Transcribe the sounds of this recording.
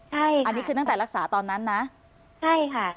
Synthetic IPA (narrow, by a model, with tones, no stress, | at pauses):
t͡ɕʰa˥˩jʔa˧nːiː˦˥kʰɯː˧t̪a˥˩ŋt̪ɛː˨˩ɾa˦˥k̚saː˩˦t̪ɔː˧nːa˦˥nːa˦˥ʔ | t͡ɕʰa˥˩jkʰa˥˩